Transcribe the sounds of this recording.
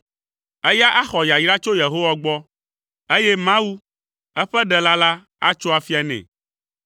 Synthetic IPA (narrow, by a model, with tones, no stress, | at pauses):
ɛ˦ja˦ʔa˦xɔ˨ja˨jɾa˦t͡ʃo˦je˨ɦo˦wa˦ɡ͡bɔ˦ | e˦jɛ˦mã˦wu˦ | ɛ˦ɸɛ˦ɖɛ˨la˦la˦ | a̰˦t͡ʃo˦a˨fi˦a˨nɛ̰̃˨